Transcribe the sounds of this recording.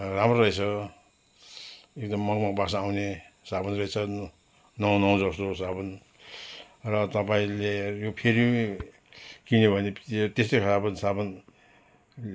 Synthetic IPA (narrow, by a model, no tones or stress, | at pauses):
ramrorʌit͡sʰʌ | ekd̪ʌmːʌkmʌkbasaːwnesabʌnrʌet͡sʰʌ | nʌwnʌw̃d͡zʌst̪osabʌn | rʌt̪ʌpaĩlejopʰeɾi | kinebʱʌnet̪est̪okʰalapʌnisabʌn